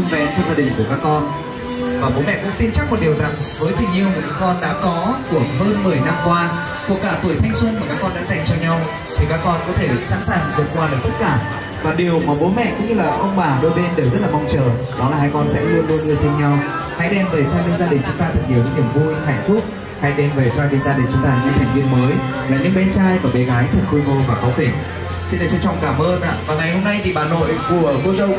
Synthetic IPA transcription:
ɨ˧ŋ͡mvɛ̰˧˩t͡ɕɔ˧ŋ͡mzaː˧ɗï̟˨˩ku˧˩əkaː˦˥kːɔ˧n | vaː˨˩ɓo˨˦mɛ̰˧˨kʊ̰˧˥ŋ͡mt̪i˧mt͡ɕa˦˥k̚mo˨˩t̚ɗi˨˩əwza˨˩ŋvəː˨˦jt̪ʰï˨˩ŋ̟ʔi˧əwmu˨˩kaː˧˦˥kɔ˧nɗa̰ː˧˥kɔ˨˦t̪u˧˩əɦəː˧nmɨ˨˩əjna˧mkwaː˧ | ku˨˩əkːaː˧˩fɨ˧˩əjt̪ʰa˧jŋswə˧nmaː˨˩kaː˦˥kːɔ˧nɗa̰ː˧˥za˨˩ŋ̟t͡ɕɔ˧ɲa˧w | t̪ʰi˨˩kaː˦˥kːɔ˧nkɔ˨˦t̪ʰe˧˩sa̰˧˥nsaː˨˩ŋ˩vɨ˨˩t̚kwaː˧lə˨˩j̚t̪ʰə˦˥t̚kaː˧˩ | vaː˨˩ɗi˨˩əwmaː˨˩ɓo˨˦mɛ̰˧˨kʊ̰˧˥ŋ͡mɲɨ˧laː˨˩xə˧wŋ͡mɓaː˨˩ɗo˧jɓe˧nɗe˨˩wzə˦˥t̚laː˨˩mɔ˧wŋ͡mt͡ɕəː˨˩ | ɗɔ˨˦laː˨˩ɦa˧jkɔ˧nsɛ̰˧˥ɗɨ˧əmu˧nŋɨ˨˧əjt̪ï˧ŋ̟ɲa˧w | haː˧˦jɗɛ˧mve˨˩t͡ɕɔ˧jnḭ˧˥ŋzaː˧ɗï˨˩ŋ̟t͡ɕʊ˨˦ŋ͡mt̪aː˧ə˨˩t̚ɗi˨˩wḭ˧˦ɲi˧˩əŋ͡mvu˧ɦa˧˩jŋ̟fʊ˦˥k͡p̚ | ha˧˦jɗɛ˧mve˨˩t͡ɕaː˧ɗi˧˦ŋzaː˧ɗï˨˩ŋ̟t͡ɕʊ˨˦ŋ͡mt̪aː˧˩ɲɨ̰˧˥t̪ʰjŋ̟vi˧ənməː˨˦j | laː˨˩ɲɨ̰˧˥ŋɓɛ˨˦t͡ɕaː˧jvaː˨˩ɓe˨˦ɣaː˨˦jt̪ʰə˨˩t̚ku˧ŋo˧vaː˨˩kɔ˨˦wfe˧˩ | si˧nɗa˨˧˩t͡ɕɛ˧˩t͡ɕɔ˨˧˩wŋ͡mkaː˧˩mʔəː˧nʔa̰ː˧˨vaː˨˩ŋa˨˩jho˧mna˧jt̪ʰi˨˩ɓaː˨˩no̰˧˨jku˧˩əvu˧zə˧w

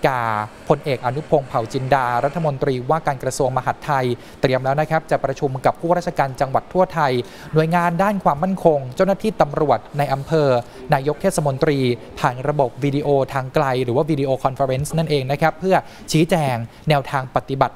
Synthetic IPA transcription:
kaː˨˩pʰo˧nʔeː˨˩k̚ʔa˧nu˦˥pʰo˧ŋpʰa˨˩wt͡ɕi˧ndaː˧ɾa˦˥t̪ʰːa˧mo˧nt̪ɾiː˧waː˥˩kaː˧nkɾa˧su˧əŋma˧ɦa˨˩t̪ʰːa˧j | t̪ɾi˧əmlɛː˦˥wna˦˥kʰa˦˥p̚t͡ɕa˨˩pɾa˧t͡ɕʰu˧mka˨˩pʰːuː˥˩ɾa˥˩t͡ɕʰa˧kaː˧nt͡ɕa˧ŋwa˨˩t̪ʰːu˥˩ət̪ʰa˧j | nu˨˩əjŋaː˧ndaː˥˩nkʰwaː˧mːa˥˩nkʰo˧ŋt͡ɕa˥˩wna˥t̪ʰiː˥˩t̪a˧mɾu˨˩ət̪̚na˧jʔa˧mpʰɤː˧ | naː˧jo˦˥k̚t̪ʰeː˥˩t̪̚sa˧mo˧nt̪ɾiː˧ | pʰaː˨˩nɾa˧bo˨˩p̚wiː˧diː˧ʔoː˧t̪ʰaː˧ŋkla˧jɾɯː˩˦waː˥˩wiː˧di˧ʔoː˧kʰɔ˧nfa˧ɾe˦˥nsna˥˩nʔeː˧ŋna˦˥kʰa˦˥pʰːɯ˥˩ɐ | t͡ɕʰiː˦˥t͡ɕɛː˧ŋ | nɛː˧wt̪ʰaː˧ŋpa˨˩t̪ːi˨˩ba˨˩t̪̚

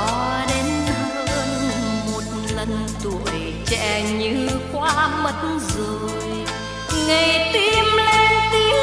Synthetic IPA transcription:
ɔ˧˦ɗe˨˦nhə˧˦˧jmo˨˩t̚lə˨˩nt̪u˨˩˨əj | t͡ɕɛ̰˧˨ɲɨ˧˥kwaː˧˦mə˨˦tnzə˨˩j | ŋa˨˩jt̪i˧˥mle˧nt̪i˧

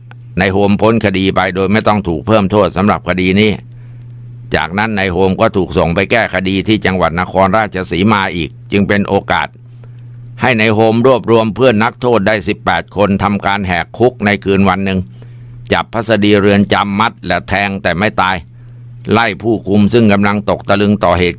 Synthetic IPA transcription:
na˧jɦo˧mpʰo˦˥nkʰa˧diː˧pa˧jdoː˧jma˥˩jt̪ɔ˥˩ŋt̪ʰuː˨˩k̚pʰɤː˥˩mt̪ʰoː˥˩t̪̚sa˨˦mɾa̰˨˩p̚kʰa˧diː˧niː˦˥ | t͡ɕa̰ː˨˩k̚na˦˥nːa˧jhoː˧mkɔː˥˩t̪ʰuː˨˩k̚so˨˩ŋpa˧jkɛː˥˩kʰa˧diː˧t̪ʰiː˥˩t͡ɕa˧ŋwa˨˩t̪̚na˦˥kʰɔː˧nɾaː˥˩t͡ɕʰa˧siː˩˦maː˧ʔiː˨˩k̚t͡ɕɯ˧ŋpe˧nʔoː˧ka̰ː˨˩t̪̚ | ha˥˩jna˧jɦo˧mɾu˥˩əp̚ɾu˧əmpʰɯ˥˩ənːa˦˥k̚t̪ʰoː˥˩t̪̚daː˥˩jsi˨˩pːɛː˨˩t̪̚kʰo˧nt̪ʰa˧mkaː˧nɦɛː˨˩kʰːu˦˥k̚na˧jkʰɯː˧nwa˧nːɯ˨˧ŋ | t͡ɕa˨˩pʰːa˦˥sa˧diː˧ɾɯ˧ənt͡ɕa˧mːa˦˥t̪̚lɛ˨˩t̪ʰɛː˧ŋt̪ɛː˨˩ma˥˩jt̪aː˧j | la˥˩jpʰuː˥˩kʰu˧msɯ˥˩ŋka˧mla˧ŋt̪o˨˩k̚t̪a˧lɯ˧ŋt̪ɔː˨˩ɦeː˨˩t̪̚

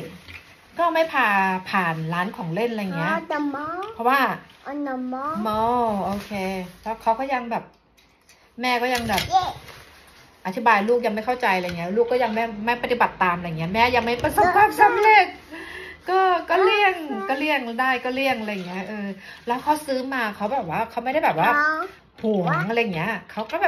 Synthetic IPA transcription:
kɔː˥˩ma˥˩jpʰaː˧pʰaː˨˩nlaː˦˥nkʰɔː˩˦ŋle˥˩nɾa˧jŋi˦˥ɐa˧m˦˥pʰɔ˦˥waː˥˩ʔna˧mːɔ˦˥mɔ˧˥˩ʔoː˧kʰeː˧t̪ɛː˦˥˩kʰa˦˥wkɔː˥˩ja˧ŋbɛː˨˩p̚ | mɛː˥˩kɔː˥˩ja˧ŋbɛː˨˩p̚ | ʔa˨˩t̪ʰi˦˥baː˧jluː˥˩k̚ja˧ŋma˥˩jkʰa˥˩t͡ɕa˧jla˧˨˩ŋi˦˥˧luː˥˩kːɔː˥˩ja˧ŋma˥˩ma˥˩pa˧t̪i˨ba˨˩t̪ːaː˧mʔaɾjŋːi˦˥ɐ˧mɛː˦˥ja˧ŋma˥˩jpa˧so˨˩˦pʰːaː˥˩p̚sa˦˥mleː˥˩k̚ː | ɔː˥˩kɔː˥˩li˥˩əŋkɔː˥˩li˥˩əŋdaː˥˩jkɔː˥˩li˥˩əŋʔa˧ɾa˧jːa˨˩ŋːi˦˥ɐʔɤː˧lɛː˦˥wkʰa˦˥wsɯː˦˥maː˧kʰa˦˥wbɛː˨˩p̚waː˥˩kʰa˦˥wma˥˩jɾa˥˩jbɛː˨˩waː˥˩ | huː˨˩ŋ˦ŋʔa˧ɾa˧jːŋːi˦˥ɐkʰa˦˥wkɔ˥˩ɛː˨˩

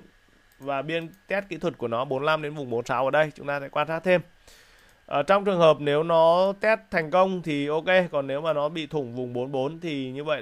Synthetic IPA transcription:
vaː˨˩ɓi˧ənt̪ɛ˦˥t̚kḭ˧˥t̪ʰwə˨˩t̚ku˧˩ənɔ˨˦ɓo˨˦nla˧mɗe˨˦nvʊ˨˩ŋ͡mɓo˨˦nsaː˨˦wʔəː˧˩ɗə˧jt͡ɕʊ˨˦ŋ͡mt̪aː˧sɛ̰˧˥kwaː˧nsaː˦˥k̚t̪ʰe˧m | ʔəː˨˩t͡ɕɔ˧wŋ͡mt͡ɕɨ˨˩əŋɦəː˨˩p̚ne˨˦wnɔ˨˦t̪ɛ˦˥t̚t̪ʰːɛ˨˩jŋ̟kə˧wŋ͡mt̪ʰi˨˩ʔo˧ke˧kɔ˨˩nːe˨˦wmaː˨˩nɔ˨˦ɓḭ˧˨t̪ʰʊ˧˩ŋ͡mvʊ˨˩ŋ͡mɓo˨˦nɓo˨˦nt̪ʰi˨˩ɲɨ˧və̰˧˨j

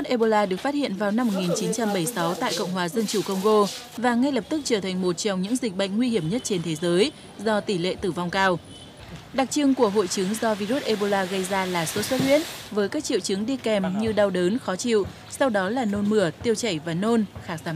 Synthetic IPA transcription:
t̚ʔe˧ɓo˧laː˧ɗɨ˨˩əkfaː˦˥t̚hḭ˧˨ənvaː˨˩wna˧mːo˨˩t̚ŋi˨˩nt͡ɕi˨˦nt͡ɕa˧mɓə˧˩jsa˨˦wt̪a̰ː˧˨jkə̰˧˨wŋ͡mɦwaː˨˩zə˧nt͡ɕu˧˩kə˧wŋ͡mɣo˧ | vaː˨˩ŋa˧jlə˨˩p̚t̪ɨ˦˥k̚t͡ɕəː˧˩t̪ʰa˨˩ŋ̟mo˨˩t̚t͡ɕɔ˧wŋ͡mɲɨ̰˧˥ŋzï˨˩k̟̚ɓə̰˧˨jŋ̟ŋwi˧hi˧˩əmɲə˦˥t̚t͡ɕe˧nt̪ʰe˨˦zəː˨˦j | zɔ˧t̪i˧˩lḛ˧˨t̪ɨ˧˩va˧wŋ͡mkaː˧w | ɗa˨˩k̚t͡ɕɨ˧ŋku˧˩əɦo̰˧˨jt͡ɕɨ˨˦ŋzɔ˧vi˧zu˦˥t̚ʔe˧ɓo˧laː˧ɣə˧jzaː˧laː˨˩so˨˦t̚swə˦˥t̚hwḭ˦˥ət̚vəː˨˦jkaː˦˥k̚t͡ɕḭ˧˨wt͡ɕɨ˨˦ŋɗi˧kɛ˨˩mɲɨ˧ɗa˧wɗəː˨˦nxɔ˨˦t͡ɕḭ˧˨w | sa˧wɗɔ˨˦laː˨˩no˧nmɨ˧˩ət̪i˧əwt͡ɕə˧˩jvaː˨˩no˧nxaː˨˦˥k̚zaː˨˦m

